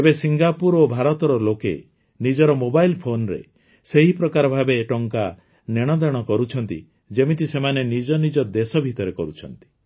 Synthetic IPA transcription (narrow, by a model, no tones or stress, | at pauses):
ebesiŋɡapuɾobʱaɾɔt̪ɔɾɔlokḛ | nid͡ʒɔɾɔmobajlpʰonɾḛ | seɦipɾɔkaɾɔbʱabeːʈɔŋka | neɽ̃ɔd̪eɽ̃ɔkɔɾut͡ʃʰɔnt̪ḭ | d͡ʒemit̪isemanenid͡ʒɔnid͡ʒɔd̪esɔbʱit̪ɔɾekɔɾut͡ʃʰɔnt̪i̥